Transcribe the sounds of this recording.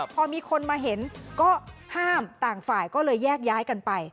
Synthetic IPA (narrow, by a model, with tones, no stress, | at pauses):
pʰɔː˧miː˧kʰo˧nmaː˧ɦe˨˩˦nkɔː˥˩haː˥˩mt̪aː˨˩ŋfaː˨˩jkɔː˥˩lɤː˧jːɛː˥˩k̚jaː˦˥jka˧npa˧j